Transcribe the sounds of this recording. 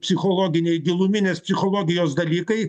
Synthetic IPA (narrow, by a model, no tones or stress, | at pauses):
pʲsʲɪxolˠoːɡʲɪnʲɛɪɡʲilˠumʲɪnʲeːspʲsʲɪxolˠoːɡʲɪjoːsd̪ɐlʲiːkɐɪ